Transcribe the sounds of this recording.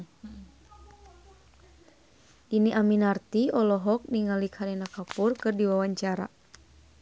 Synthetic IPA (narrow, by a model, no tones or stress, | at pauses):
ʔiniʔaminart̪iɔlɔɦɔk̚niŋalikhaɾinakapurkɨrdiwawaɲt͡ʃaɾa̰